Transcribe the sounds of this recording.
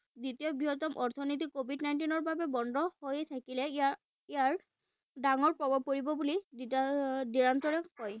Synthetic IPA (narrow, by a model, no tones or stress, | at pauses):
ditijɔbiɦɔt̪ɔmʔɔɹt̪ʰɔnit̪̬ikːobʱidnajntinɔɹbabɛbɔndʱɔhojt̪ʰakilɛ | ijaɹ | daŋɔɹpɹɔbɔb̚koɹibɔbulididiɹantɔɹɛkɔj